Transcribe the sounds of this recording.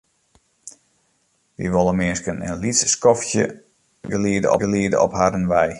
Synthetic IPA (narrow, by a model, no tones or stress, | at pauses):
ʋḭʋolˠəmɪskənə̰nlisskɔftjə̰ | ɡəliədə̰ɔ̰ɡəliədə̰ɔ̰phadənʋɛj